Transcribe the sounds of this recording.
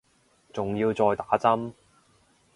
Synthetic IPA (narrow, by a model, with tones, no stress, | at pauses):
t͡sʊ˨ŋjiː˧wt͡sɔː˧jt̪aː˨˥t͡sɐ˥m